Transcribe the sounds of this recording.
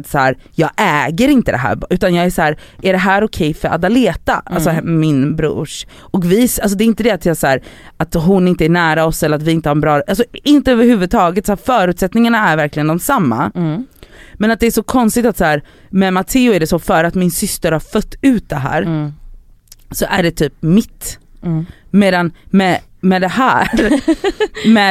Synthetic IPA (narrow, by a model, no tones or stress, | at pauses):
t̪sæːɾjɑːɡʔɛːɡəɾɪnt̪əd̪ɛ̰ɦæ̰ːɾbʉ̟ːt̪anjɑːɡæsæːɾæɖɛɦæːɾɔkʰɛjfœɾʔa̰d̪aleːt̪a̰ʔalsɔmɪnbɾṵːʂ | ɔkvɪals̬ɔd̪ɛɪnt̪əd̪ɛat̪ʰjɑsæːɾat̪ɦʊnɪnt̪əæɳæːɾaɔsɛlːəɾat̪vɪɪnt̪əhaɾɛnbɾɑːɾʔalsɔɪnt̪əøːvəɾhʉ̟ːvɵd̪̚t̪ʰɑːɡət̪sæːɾfœːɾʉ̟ːt̪sɛt̪nɪŋaɳaæɾvæɾklɪɡənd̪ɔmsamːa̰ | mɛnat̪̚d̪ɛːʂɔkʰɔnst̪ɪɡ̚t̪at̪sæːɾ | mɛmat̪ʰɪːʊæɖɛsɔfœːɾəat̪mɪnsʏst̪əɾhaɾfœt̪ːʉ̟ːt̪̚d̪ɛɦæ̰ːɾ | sɔʔæɖɛt̪ʰyːpmɪt̪ː | meːd̪anmɛ | mɛd̪ɛhæːɾ | mɛ